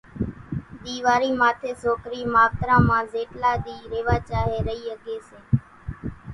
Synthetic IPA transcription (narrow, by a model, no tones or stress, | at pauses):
ɗ̪iːʋaːɾiːmaːt̪ʰeːsoːkɾiːmaːʋt̪ɾãːmãːzeːʈlaːɗ̪iːɾeːʋaːt͡ʃaːɦeːɾəiːəɠeːsẽː